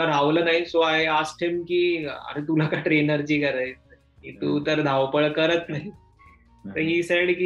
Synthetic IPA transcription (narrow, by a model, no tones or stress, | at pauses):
laɾaʋləːnaɦisoaɦeasʈʰamkiːə̰ɾet̪ulakaʈɾenəɾd͡ʑiːkəɾaj | kiːt̪uːt̪əɾd̪ʱaʋpəɭkəɾət̪naɦi | t̪əɾɦiːseɽki